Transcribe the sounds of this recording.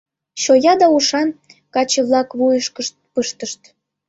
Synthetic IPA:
ɕojɑd̪ɑuʃɑnkɑt͡ɕeβlɑkβujəʃkʃt̪pəʃt̪əʃt̪

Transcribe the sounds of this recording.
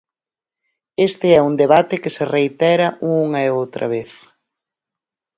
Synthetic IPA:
est̪eɛund̪eβat̪ɪkɪsereit̪ɛɾɐʔuŋɐeowt̪ɾʔɐ̰βeθ

